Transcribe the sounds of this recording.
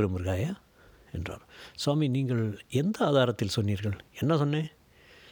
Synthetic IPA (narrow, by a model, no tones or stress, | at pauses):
ɾɐmɪɾɣaːja | ɛndra̰ːɾswaːminiːŋɡɐɭɛnd̪ɐaːðaːɾɐt̪ːɪlsɔnːiːɾɣɐɭɛnːɐsɔnːẽː